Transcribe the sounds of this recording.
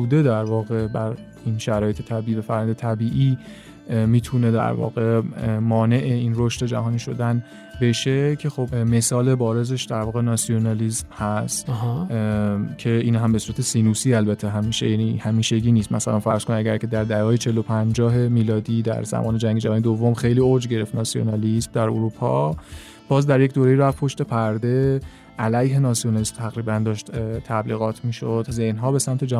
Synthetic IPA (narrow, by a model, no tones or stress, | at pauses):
uːd̪e̞d̪æɾvɒːɣe̞bæɾ | inʃæɾɒːjet̪ʰe̞t̪ʰæbiːiːvæfæɾjæjnd̪et̪ʰæbiːʔi | miːt̪ʰune̞d̪æ̰ɾvɒ̰ːɣemɒːne̞ʔeinro̞ʃt̪e̞d͡ʒæ̰ɦɒːniːʃo̞d̪æn | be̞ʃe̞cʰe̞xo̞bme̞sɒːle̞bɒːɾe̞ze̞ʃd̪æɾvɒːɣenɒːsio̞nɑlizmhæst̪ɦ | cʰe̞iːnɦæmbe̞suːɾæt̪ʰesiːnusiːælbæt̪ʰːeɦæmiːʃḛjænihæmiːʃe̞ɟiːniːst̪mæ̰sælænfæɾz̥konimæɡɟæɾkʰe̞d̪æɾd̪æɒːjet͡ʃʰe̞lːopʰænd͡ʒɒːɦe̞miːlɒːd̪iːd̪æ̰ɾzæ̰mɒ̰ːne̞d͡ʒæŋɡed͡ʒævɒːnjed̪ovːo̞mxe̞jliːod͡ʒɟe̞ɾe̞ft̪nɒsio̰nɑlismd̪æɾoɾupʰɒ̰ | b̥ɒːzd̪æɾjecd̪oːɾejiɾævpʰo̞ʃt̪e̞pʰæɾd̪e̞ | ʔælæjɦe̞nɒsionɒlismt̪ʰæɣɾiːbænd̪ɒːʃt̪t̪ʰæbliːɣɒːt̪ʰmiːʃod̪zenɦɒːbe̞sæmt̪ʰe̞d͡ʒæ